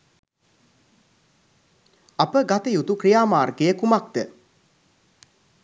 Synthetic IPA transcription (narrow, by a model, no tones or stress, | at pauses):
apəɡat̪əjut̪ukɾijaːmaːrɡejəkumak̚d̪ə